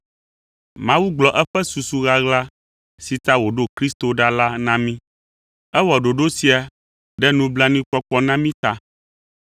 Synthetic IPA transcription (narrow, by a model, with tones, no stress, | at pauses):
mã˦wu˦ɡ͡blɔ˨ʔɛ˦ɸɛ˦su˨su˨ɣa˦ɣla˦ | si˨t̪a˦wo˨ɖo˦kɾi˦st̪o˨ɖa˦la˦nã˦mĩ˦ | ɛ˦wɔ˨ɖo˨ɖo˦si˨a˨ | ɖɛ˦nũ˦bla˦nĩ˦k͡pɔ˦k͡pɔ˦nã˦mĩ˦t̪a˦